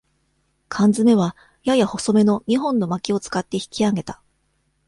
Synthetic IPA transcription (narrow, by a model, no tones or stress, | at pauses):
kʰãnd͡zɨme̞βa | jajaho̞so̞me̞no̞ɲ̟iɦõ̞nːo̞makʲio̞t͡sɨ̥kat̪ːe̞çi̥kʲiaɡe̞t̪ḁ